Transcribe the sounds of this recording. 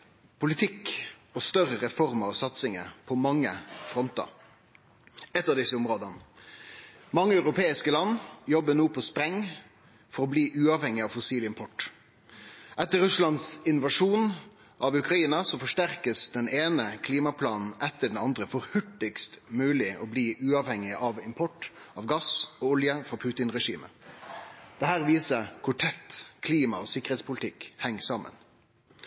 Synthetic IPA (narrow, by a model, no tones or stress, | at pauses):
pʰʊlɪt̪ʰɪkɔst̪œɾəɾɛfɔɾməɔsɑt̪sɪŋə̰pʰɔmɑŋːə̰fɾɔnt̪ɑ̰ | ɛt̪ːɑʋd̪ɪsːəʊmɾoːd̪ənə | mɑŋːəɑʉɾʊpʰeːɪskəlɑnːjɔbːənuːpʰɔspɾɛŋ | fɔɾɔbliːʔʉːɑːʋhɛŋːɪɑʋfɔsiːlɪmpʰɔʈ | ʔɛt̪ːəɾʉslɑnsɪnʊʋɑʂuːn | ʔɑʋʉkɾɑiːnɑsɔfɔʂʈæɾkəsd̪̥ɛneːnəkʰliːmɑpʰlɑːnn̩ɛt̪ːəɖɛn̩ɑnd̪ʁəfɔɾhʉʈːɪkst̪mʉːlɪʔɔbliːʔʉːɑʋhɛŋɪʔɑʋɪmpʰɔʈ | ɑʋɡɑsɔːʊljəfʁɑpʰʉːt̪ɪnʁɛʂḭːmə̰ | d̪̥ɛhæːʁʋiːsəkʰʊʈʰɛt̪ːkʰliːmɑ̰oːsɪkːəʁeːt̪spʊlɪt̪ʰɪkhɛŋːsɑmːə̰n